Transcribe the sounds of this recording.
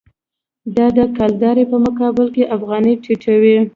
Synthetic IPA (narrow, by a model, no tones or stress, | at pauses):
d̪ɑd̪əkɑld̪ɑɾepəmʊkɑbɪlkeʔafɣɑnəʈiʈawi